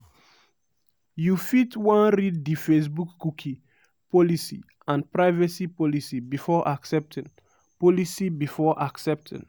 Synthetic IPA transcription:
jufitwãnɾidːifes̬bukːukʰi | pɔlisḭ | ãnpɹaɪvɛsipɔlisibifɔʔaksɛp̚tʰĩn | pɔlisibifɔʔaksɛp̚tʰḭ̃n

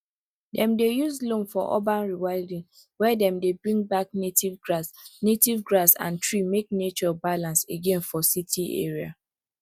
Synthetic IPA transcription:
dɛ̃mdejuzlõnfɔʔɔ̰bãnɹiwaɪdĩŋ | wɛdɛ̃mdebɹĩŋbaknetivɡɹasnetivɡɹasã̰ntɹimek̚net͡ʃɔbalãnseɡẽnfɔsitʰiḛɹia̰

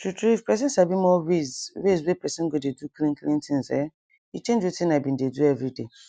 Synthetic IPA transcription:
tɾutɾuifpɛs̬ĩnsabimɔwezwezwepɛsĩɡodeduklĩnklĩntĩnzɛ̰ | it͡ʃẽnd͡ʒotĩnabĩndeduɛvɾide

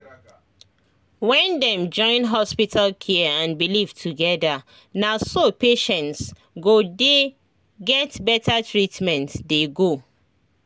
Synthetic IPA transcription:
wɛ̃ndɛ̃md͡ʒɔ̃ɪ̃nɦɔspitʰalkʰɛãnbiliv̥tʰuɡɛda | naʊsopeʃɛ̃nts | ɡode | ɡɛtbɛtʰatʰɹitmɛ̃ntdeɡo

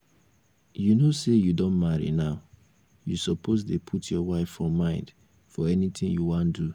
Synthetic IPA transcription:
junosejudõnmaɹḭnaʊ | jusɔpʰosdepʰutʰjɔwaɪfɔmːãɪ̃nd | fɔɛnit̪ɪ̃ŋjuwãndu

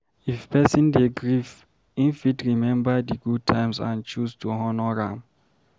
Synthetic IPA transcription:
ifpɛsĩndeɡɹif | ĩnfitɹimɛ̃mbadiɡud̚tʰãjmsã̰nt͡ʃustuɦɔnɔɹãm

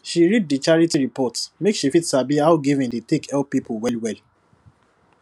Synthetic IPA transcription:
ʃiɹid̚dit͡ʃaɹitiɹipɔtsmekʃifitshabiawɡivĩndet̪ekɛlppːipʰɔwɛlwɛl

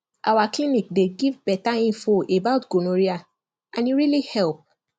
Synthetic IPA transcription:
ʔawaklĩnik̚deɡivbɛtaĩnfoʔebaʊtɡ̥onoɾia | ãnĩɾilihɛlp̚

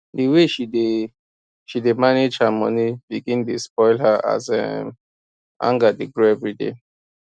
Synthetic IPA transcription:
deweʃide | ʃidemaned͡ʒhamɔ̰nibiɡĩntuspɔɪlɦaa̰zɛ̰m | ã̰ŋɡadeɡɾoɛvɹidḛ

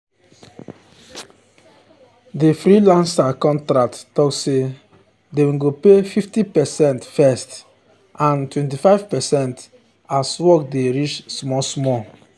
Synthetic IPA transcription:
defɾilãnsakɔ̃ntɾak̚tːɔkse | dewĩɡopefiftipɛsɛ̃ntfɛst | ãntwɛ̃ntifaɪvpɛsɛ̃nt | aswɔk̚deɹit͡ʃsmɔsmɔ

